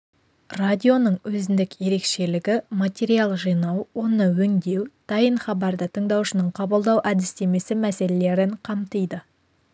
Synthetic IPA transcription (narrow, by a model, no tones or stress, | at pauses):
radʲio̞nəɴwɵzɪnd̪ɪkje̞ɾe̞kʃe̞lɪɡʲɪmat̪ʲeɾijalˠʒijnɑwwo̞nəwɵŋd̪ewt̪ʰɑjəɴχɑbɑɾd̪ət̪ʰəɴd̪ɑwʃənəɴqʰɑbəlˠd̪ɑwʔæd̪ɪst̪e̞me̞sɪmæse̞le̞le̞ɾɪɴqʰɑmt̪əjd̪ə